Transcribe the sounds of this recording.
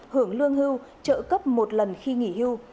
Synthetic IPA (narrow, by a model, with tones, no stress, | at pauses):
hɨ˧˩əŋlɨ˧əŋɦɨ˧wt͡ɕə̰ː˧˨kə˦˥p̚mo˨˩t̚lə˨˩nxi˧ŋḭ˧˩˨hɨ˧w